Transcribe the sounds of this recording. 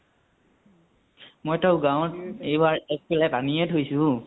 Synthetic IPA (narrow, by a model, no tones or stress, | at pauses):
mojtaʊɡaw̃tejbaɹɛk̚pɛlɛpaniɛtʰojsʊ̃